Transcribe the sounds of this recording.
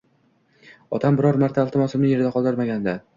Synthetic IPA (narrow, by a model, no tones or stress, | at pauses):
ɒt̪ʰambɪɾɒɾmaɾt̪ʰaːlˠt̪ɪmɒsɪmnɪje̞ɾɪd̪aqʰɒlˠd̪ɪɾmaɡʲand̪a